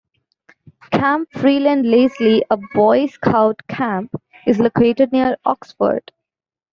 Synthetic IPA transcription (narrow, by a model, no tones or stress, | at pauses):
kʰæ̃mpfɾiːlə̃ɳɖleːsliʔəbɔɪskʰaʊʈkʰæ̃mp | ɪzlokʰeːʈeɖ̚niəɾʔɔ̰ksfə̰ɾɖ̥